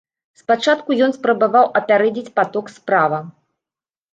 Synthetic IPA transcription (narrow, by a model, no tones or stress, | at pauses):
spat͡ʂat̪kujɔnspɾɐbavawʔɐpʲaɾɛd͡zʲit͡sʲpat̪ɔkspɾavɐ